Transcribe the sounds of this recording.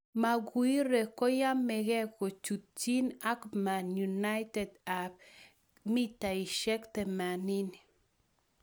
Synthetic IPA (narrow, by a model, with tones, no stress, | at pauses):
ma˨ɡu˨˦i˦ɾɛ˨kɔ˦ja˦mɛ˨ɡɛ˦ko˨t͡ʃu˨t̪̚t͡ʃi˦na˦kma˨nju˨na˦jtɛ˨da˨p̚ | mi˦ta˨i˨ʃɛ˦ktɛ˨ma˨ni˦ni˨